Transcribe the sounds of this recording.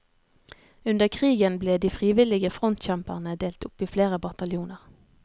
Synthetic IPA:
ʉnd̪əʁkʰʁiːɡənbleːd̪iːfʁiːʋɪlɪɡəfʁɔnt̪c͡çæmpəʁnəd̪eːlt̪ʊpiːfleːʁəbɑt̪ɑljuːnəʁ

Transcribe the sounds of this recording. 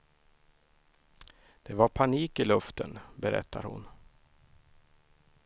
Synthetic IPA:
d̪̥ɛvaɾpʰaniːkɪlɵft̪ənbɛɾɛ̰t̪ʰːa̰ɾhʊ̰n

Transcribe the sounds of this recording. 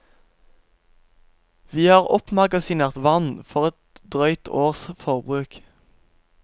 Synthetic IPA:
ʋiːhɑːʁɔpmɑɡɑsɪneːʁt̪ʋɑnfɔʁɛt̪̚d̪ʁœʏt̪ʰoːʁsfɔʁbʁʉːk

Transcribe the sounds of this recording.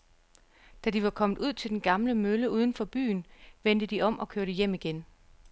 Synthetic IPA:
d̥æd̥iʋɑ̈kʰɒ̽mð̩ˠuð̞̰ˠt͡sʰe̝ld̥enɡ̥ɑ̈mləmøləuːð̞ˠən̩fɒ̽b̥y̰ːnʋen̰d̥əd̥iʔɒ̽m̰ʔɒ̽kʰøɐɾ̥əjem̰iɡ̥en

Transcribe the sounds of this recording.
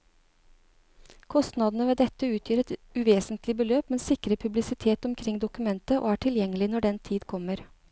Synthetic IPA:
kʰɔst̪nɑd̪n̩əʋeːd̪ɛt̪ːəʉːt̪ʰjyːɾɛt̪ʉʋeːsənt̪lɪbəløːpmɛnsɪkɾəpʰʉblɪsɪt̪ʰeːt̪ɔmkʰɾɪŋd̪ʊkʉmɛnt̪əʔo̰ːæːʈʰɪljɛŋːəlɪnɔɖɛnt̪ʰiːd̪kʰɔməɾ

